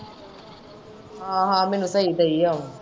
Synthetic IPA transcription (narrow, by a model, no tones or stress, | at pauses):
ɦãːɦãːmɛ̃ːnũsəɦid̪əiao